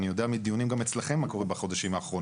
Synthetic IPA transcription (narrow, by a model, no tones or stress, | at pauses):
nijo̞d̪eamid̪ijunimɡamet͡slaχe̞mːako̞ʁimbaχo̞d̪aʃimaːχʁo̞